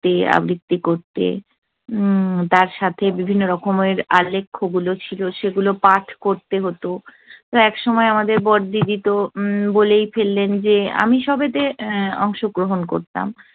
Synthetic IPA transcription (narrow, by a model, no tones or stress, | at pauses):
t̪ea̰bɾikt̪ːikoɾt̪ḛ | t̪aɾʃat̪ʰebibʱinːoɾɔkʰomeɾalːekʰːoɡulot͡ɕʰiloʃeɡulopaʈʰkoɾt̪eɦot̪o | t̪oɛkʃɔmɔeamad̪eɾbɔɾd̪id̪it̪obolejfelːend͡ʑea̰miʃɔbet̪eɔŋʃoɡɾoɦonko̰ɾt̪a̰m